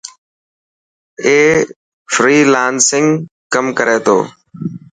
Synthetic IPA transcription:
eː | fɾiːlaːnsɪŋɡkəmkəɾʔeːt̪ʰo̰ː

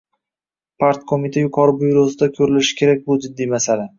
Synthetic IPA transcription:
pʰaɾt̪kʰomit̪ʰajʊqʰɒɾɪbʊjɾosɪd̪akʲʰɵɾɪlɪʃɪ̥kʲe̞ɾak̚ʲbʊd͡ʒɪd̪ːijmasala

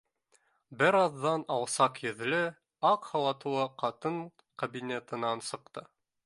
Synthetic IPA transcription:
bɘɾɑðːɑnɑwˠsɑqjɵ̆ðlɘ | ɑqhɑw̪ˠɑt̪ɤ̆wɑqɑt̪ɤɴ | kɐbinʲet̪ɤ̆nɑnsɤ̆q̚t̪ɤ

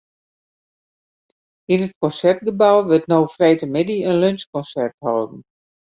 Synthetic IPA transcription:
inət̚kɔnsɛrt̚ɡəbawʋɪtnowfrɛjtəmɪdiənlønskɔnsɛrthɔːdn̩

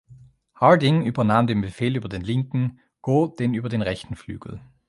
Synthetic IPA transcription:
haɐdɪŋʔyːbɐnaːmdeːnbefeːlyːbɐdeːnlɪŋkŋ̩ | ɡ̥oːd̥eːnyːbɐdeːnʁɛçtn̩fly̰ːɡ̥l̩

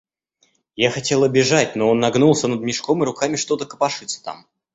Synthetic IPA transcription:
jaxɐtʲe̞lˠəbʲɪʐatʲno̞onːɐɡnulˠsʲənəd̪mʲɪʂko̞mɨɾʊkamʲɪʂt̪o̞t̪əkəpɐʂɨt̪sːə̥t̪a̰m

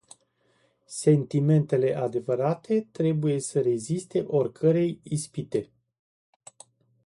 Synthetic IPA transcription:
se̞nt̪ime̞nt̪e̞le̞ʔad̪e̞vəɾat̪e̞t̪ɾe̞buje̞səɾe̞zist̪e̞ʔo̞rkʰəɾe̞jispit̪e̞

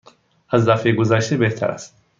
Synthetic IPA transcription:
azd̪afeɡozaʃt̪ebeht̪ʰæ̰ɾa̰st̪̚

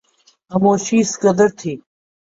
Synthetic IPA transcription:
ɐmoːɕiːskɐd̪ɐɾt̪ʰiː

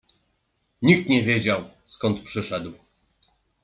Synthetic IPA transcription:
ɲik̚t̪ɲɛvʲjed͡ʑawskɔnt̪pʂɘʂɛd̪w

